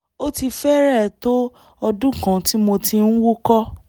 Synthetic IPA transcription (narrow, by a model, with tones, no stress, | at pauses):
o˦ti˧fɛ˦ɾɛ˦˨to˦ | ɔ˧dũ˦kã˧ti˦mo˧ti˧n̩˦wu˦kɔ˦